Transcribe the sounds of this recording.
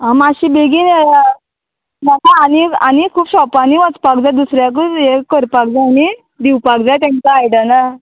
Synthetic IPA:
amaɕiːbeɡiːnea | makaːnianikʰuːpɕɔpaniʋət͡spak̚d͡zad̪usɾjak̬uekəɾpak̚d͡zaani | d̪iwpakd͡zajt̪ãnt͡saːjɽana

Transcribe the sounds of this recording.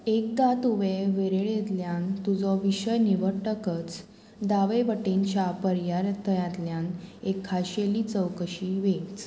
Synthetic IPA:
ek̚ɡat̪uʋeʋeɾeɭjet̪ljant̪ud͡zɔʋiɕəjniʋəʈəkət͡s | d̪aʋeʋəʈeɲt͡ɕjapəɾjaɾt̪əjãt̪ljanekʰːaɕelit͡səwkəɕiʋet͡s

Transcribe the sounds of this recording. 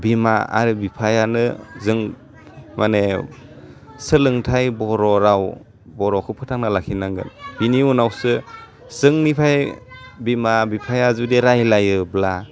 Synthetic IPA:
bimaa̰ɾɯbipʰajanɯzɯŋ | mane | sɯlɯŋtʰajbɔɾɔɾaw | bɔɾɔkʰɯpʰɯtʰaŋnalakʰinaŋɡɯ̰nb̥iniunawsɯ | z̥ɯŋnipʰajbimabipʰajazudeɾajlajɯbla

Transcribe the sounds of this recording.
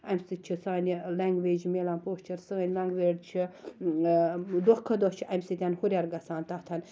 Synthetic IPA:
ɐmʲsɨt͡ʃʰisaːnʲilaŋɡʋeːd͡ʒmeːlanpoːʃt͡ʃɐɾsɨɐnʲlaŋɡʋeːɖt͡ʃʰi | d̪ohkʰːɐd̪ot͡ʃʰiʔɐmʲsɨt̪ʲanhuɾʲaɾɡɐsaːnt̪aht̪ʰɐnʲ

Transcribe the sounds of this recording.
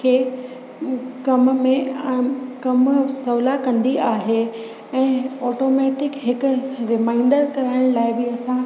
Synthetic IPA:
kʰeː | kɐmmẽ | kɐmsɐʋlakɐ̃nd̪iaːɦe | ɛ̃ːɔːʈoːmɛːʈɪkɦɪkʊ̆ɾɪmaːɪɳɖəɾkɐɾaːɪɽ̃laːɪbɪɐsã

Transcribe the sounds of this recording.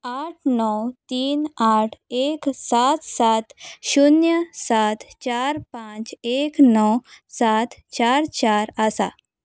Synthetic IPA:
aʈʰnɔwt̪iːnaʈʰeksat̪sat̪ɕunjəsat̪t͡ɕaɾpãt͡ɕeknɔwsat̪t͡ɕaɾt͡ɕaɾəsa

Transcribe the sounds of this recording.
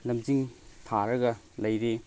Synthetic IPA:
lɐmd͡ʒiŋtʰaɾɐɡɐ | lɐjɾe

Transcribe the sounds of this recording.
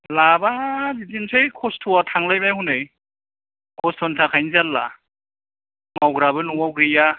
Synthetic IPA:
labazitinsejkʰɔstʰuwatʰaŋlajbajhunɯj | kʰɔstʰɔntʰakʰajnizalːa̰ | mawɡɾaβɯnuwawɡɾɯja

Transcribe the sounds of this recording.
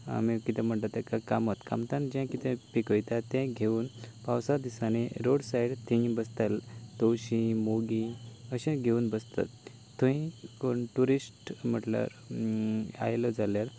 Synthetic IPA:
a̰mikit̪ɛ̃m̤əɳt̪at̪akakamot̪ka̰mt̪ãnd͡ʑɛ̃kit̪ʰɛ̃pikəjt̪at̪ɛ̃ɡʱeuːnpawsad̪isaneɾoɽsajɽt̪ĩbəst̪alt̪owɕĩmoɡĩəɕɛ̃ɡʱeuːnbəst̪a̰t̪ː | ũɦĩkoɳʈuɾisʈm̤əʈla̰ɾ | a̰jlɔd͡zaljaɾ

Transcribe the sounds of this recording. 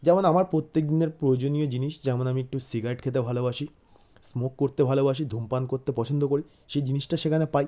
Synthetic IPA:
d͡ʑɛmonamaɾpɾot̪ːek̚d̪ineɾpɾojod͡ʑoniod͡ʑiniʃd͡ʑɛmonamiek̚ʈusiɡaɾeʈkʰet̪̬ebʱalobaʃi | smokːoɾt̪ebʱalobaʃ̬id̪ʱumpankoɾt̪epɔt͡ɕʰond̪okoɾi | ʃejd͡ʑiniʃʈaʃekʰanepaj

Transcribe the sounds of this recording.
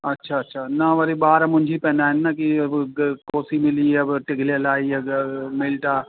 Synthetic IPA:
ɐtːʃʰaɐtːʃʰanaʋɐɾibaːɾamʊ̃nd͡ʒʱipɛ̃ːnaɦɛnːakiɐbkoːsimɪlieɐbʈɪɡʱlelaːiemɪlʈaː

